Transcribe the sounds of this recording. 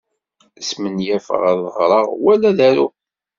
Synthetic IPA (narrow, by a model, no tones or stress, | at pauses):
smənjæfə̰ʁæðˤəʁɾˤɑʁwælːæðæɾu